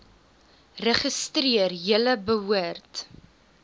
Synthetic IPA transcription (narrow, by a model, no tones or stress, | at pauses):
rəχəstriərjələbəɦuərt